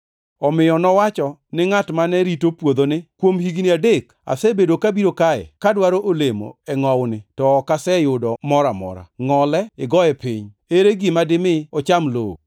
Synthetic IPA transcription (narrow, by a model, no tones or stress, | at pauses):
ɔmɪjɔnɔwat͡ʃɔnɪŋatmanɛɾitopwod̪onɪkwomhiɡniadek | a̰sɛbedokabiɾokaɛ̰kadwaɾoʔolemo̰ɛŋɔwnɪtɔːkasɛjʊdɔmɔɾamɔ̰ɾa̰ŋɔlɛɪɡɔjɛpḭɲ | eɾeɡɪmadɪmɪɔt͡ʃamlo̰o̰